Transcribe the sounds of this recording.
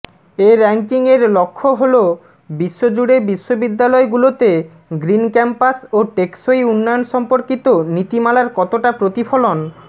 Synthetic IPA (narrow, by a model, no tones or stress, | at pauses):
eɾɛŋkiŋeɾlokʰːoɦolo | biʃːod͡ʑuɽebiʃːobid̪ːalɔeɡulot̪e | ɡɾinkɛmpasoʈeksojunːɔjonʃɔmpoɾkit̪onit̪imalaɾkɔt̪oʈapɾot̪ifʰolon